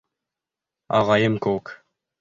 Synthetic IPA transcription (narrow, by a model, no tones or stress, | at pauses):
ɑ̰ʁɑjəmkok